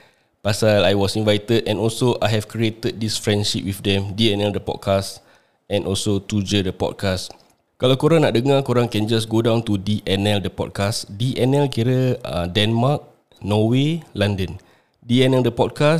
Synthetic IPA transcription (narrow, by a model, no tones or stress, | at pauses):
pasalajwɔsĩnvajt̪ədɛ̃nɔlsoʔajɦɛvkɾiet̪əd̚disfɹɛ̃nʃip̚wifdɛ̃mdiɛnɛldəpɔ̰t̚kʰas | ɛ̃nʔɔlsot̪ud͡ʒədəpɔ̰d̚kʰas | kalawkoɾãŋnaʔ̚dəŋakoɾãŋkɛ̃nd͡ʒas̬ɡodãw̃nt̪udiʔɛnɛldəpɔ̰d̚kasdiʔɛnɛlkiɾəə̃dɛ̃nmak̚ | nɔwelãndə̃n | diɛnɛldəpɔd̚kas